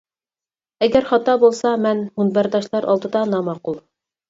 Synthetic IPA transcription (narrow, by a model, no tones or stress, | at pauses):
æɡæɾχɑt̪ːɑbulˠsɑmænhunbæɾd̪ɑʃlˠɑɾʔɑ̰lˠd̪ɤ̆d̪ɑnɑmɑqulˠ